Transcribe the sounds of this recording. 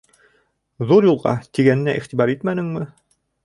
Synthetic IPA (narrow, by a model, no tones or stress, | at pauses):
ðuɾjulˠʁɑ̰t̪iɡænɘ̆næʔḭχt̪ibɑɾit̪mænɘ̆ŋmɘ